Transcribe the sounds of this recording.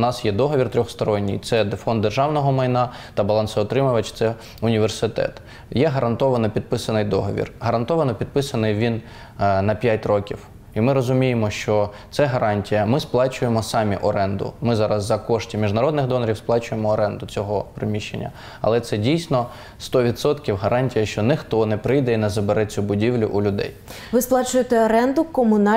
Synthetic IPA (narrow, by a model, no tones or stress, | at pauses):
nɑsjɛd̪ɔɦɔʋʲirt̪ɾʲɔxst̪ɔɾɔnʲːḭjt̪sɛd̪fɔnd̪ːerʒɑwnɔɦɔmɐjnɑ | t̪ɐbɐlˠɑnsɪɔt̪ɾɪmʊʋɐt͡ʃt̪sɛ | ʊnʲiʋersɪt̪ɛ̰t̪ | jɛɦɐɾɐnt̪ɔʋɐnɔpʲid̪̚pɪsɐnɪjd̪ɔɦɔʋʲḭrɦɐɾɐnt̪ɔʋɐnɔpʲid̪̚pɪsɐnɪjʋʲin | nɐpʲjatʲrɔkʲiw | imɪɾɔzʊmʲijemɔʃt͡ʃɔt̪sɛɦɐɾɑnʲtʲijɐmɪsplˠɑt͡ʃʊjemɔsɑmʲḭʔɔɾɛnd̪ʊ̰mɪzɑɾɐzːɐkɔʃtʲimʲiʒnɐɾɔd̪nɪxd̪ɔnɐɾʲiwsplˠɑt͡ʃʊjemɔːɾɛnd̪ʊt͡sʲɔɦɔpɾɪmʲiʃt͡ʃːḛnʲːɐ̰ | ɐ̰lˠɛt̪sɛdʲijsʲnɔ | st̪ɔʋʲid̪sɔt̪kʲiwɦɐɾʔɑnʲtʲijɐʃt͡ʃɔnɪxt̪ɔnɛpɾɪjd̪ɛinɐzɐbeɾɛt͡sʲʊbʊdʲiwlʲʊ̰ʔʊlʲʊd̪ɛ̰j | ʋɪsplˠɑt͡ʃʊjet̪ɛɔɾɛnd̪ʊkɔmʊnɑ